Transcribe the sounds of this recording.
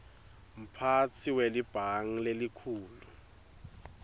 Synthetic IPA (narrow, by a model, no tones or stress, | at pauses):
m̩pʰat͡sʰiwelib̥ʱaŋ̩lelikʰuːlu